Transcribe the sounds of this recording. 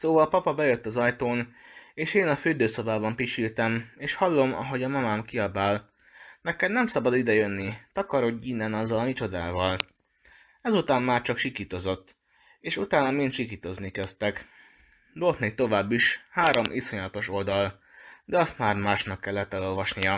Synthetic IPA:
soːvɒlpɒpɒbɛjøt̪ːɒzɒjt̪oːneːʃeːnɒføːd̪øːso̞baːbɒmpiʃilt̪ɛmeːʃhɒlːo̞mɒ̰ɦo̞ɟɒmɒmaːmkiɒbaːl | nɛkɛd̪nɛmsɒbɒd̪id̪ɛjønːit̪ɒkɒɾo̞ɡɟiːnːɛnɒzːɒlɒmit͡ʃo̞d̪a̰ːvɒl | ɛzut̪aːmmaːrt͡ʃɒkʃikit̪o̞zo̞t̪ː | eːʃut̪aːnɒmint̪ʃikiːt̪o̞znikɛst̪ɛk | d̪olt̪neːkt̪o̞vaːbːiʃhaːɾo̞mʔiso̞ɲlɒt̪o̞ʃo̞ld̪ɒl | d̪ɛɒst̪maːrmaːʃnɒkːɛlːɛt̪ːɛlo̞lvɒʃnijɒ

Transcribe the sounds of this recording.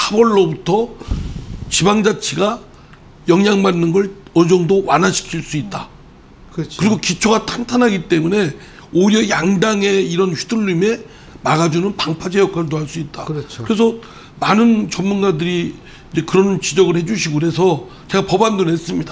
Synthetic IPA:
habʌɭːobutʰʌ | t͡ɕibaŋd͡ʑat͡ɕʰeɡa | jʌŋjaŋmanːɯnɡʌɭʌd͡ʑʌŋdowanɦaɕʰi̥kʰiɭs͈uit̚t͈a | kkɯɾiɡokit͡ɕʰoɡatʰantʰanɦaɡit͈e̞mune̞ | oiɾjʌjaŋdaŋe̞iɾʌnçu̥duʎːume̞ | maɡad͡ʑunɯnpaŋpʰad͡ʑejʌk͈ʰaɾɭdoaɭs͈uit̚t͈akkɯɾe̞s̬ʰʌ | manɯnt͡ɕʌmmunɡadɯɾi | id͡ʑe̞kɯɾʌnt͡ɕid͡ʑʌɡɯɭhe̞d͡ʑuɕʰiɡoiɾe̞s̬ʰʌ | t͡ɕe̞ɡapʌbandonɦes͈ɯmɲida

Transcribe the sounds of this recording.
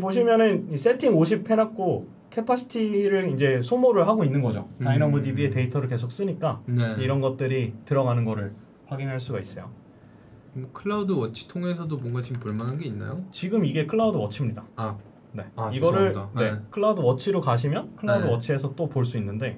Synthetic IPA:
poɕ̬ʰimjʌnɯnis͈e̞tʰiŋoɕ̬ʰipʰe̞nak̚k͈o | kʰepʰasʰi̥tʰiɾɯɭind͡ʑe̞sʰomoɾɯɭɦaɡoinːɯnɡʌd͡ʑo̰ainamudibie̞teitʰʌɾɯɭke̞sʰok̚s͈ɯɲik͈aiɾʌnɡʌt̚t͈ɯɾitɯɾʌɡanɯnɡʌɾɯɭ | ɸwaɡinɦaɭs͈uɡais͈ʌjo̰ | kʰɯɭːaudɯwʌt͡ɕʰi̥tʰoŋe̞s̬ʰʌdomwʌnɡat͡ɕimpuɭmanɦanɡe̞inːa̰jot͡ɕiɡɯmiɡe̞kʰɯɭːaudɯwʌt͡ɕʰimɲida | ne̞iɡʌɾɯɭne̞kʰɯɭːaudɯwʌt͡ɕʰiɾokaɕ̬ʰimjʌnkʰɯɭaudɯwʌt͡ɕʰie̞sʰʌt͈opoɭs͈uinːɯnde̞

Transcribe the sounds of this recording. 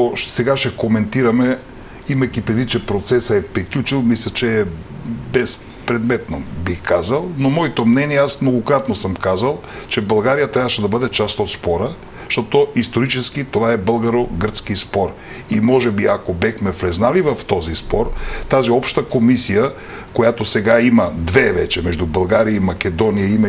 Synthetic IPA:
osɛɡaʃɛkomɛnt̪iɾɐmɛ | imɛkʲipɾɛd̪vit͡ʃɛpɾot̪sɛsəɛpɛklʲut͡ʃilˠmislʲɐt͡ʃɛːbɛs | pɾɛd̪mɛt̪nobixkazɐlˠnomɔit̪omnɛniɛasmnoɡokɾat̪nosəmkazɐlˠ | t͡ʃɛbəlˠɡaɾijət̪ɾavəʃɛd̪ɐbəd̪ɛt͡ʃast̪ot̪spɔɾə | ʃt̪ɔt̪oist̪oɾit͡ʃɛskit̪ovaɛbɤlˠɡɐɾoɡəɾt̪skispɔɾ | imɔʒɛbiakobɛxmɛflɛznalivɐft̪ɔzispɔɾt̪aziɔpʃt̪əkomisijə | kojat̪osɛɡaimɐd̪vɛvɛt͡ʃɛmɛʒd̪ubəlˠɡaɾijəimɐkʲɛd̪ɔnijəimɐ

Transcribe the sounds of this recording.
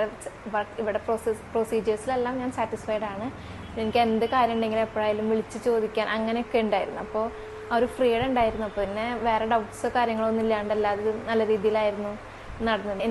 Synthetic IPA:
ʋɐiʋiɽe̞prossproːsiːd͡ʑɐrsilelːaːmɲaːnsaːʈːisfɐjɖaːɳɨ | enikʲːe̞nd̪ɨkaːɾjɐmɳɖe̞ŋɡilepːɐɭaːjilumʋiɭit͡ɕːɨt͡ɕo̞ːd̪ikʲːaːnʔɐŋːɐneokːe̞uɳɖaːjiɾunːuɐpːo̞ː | oɾufriːɽeɳɖaːjiɾunːuɐpːoːinːe̞ʋe̞ːre̞ɖɐwʈsɨkaːɾjɐŋːɐɭo̞nːilːaːuɳɖɐlːaːðeðɨnɐlːɐɾiːðijilaːjiɾunːu | nɐɽɐnːɨ

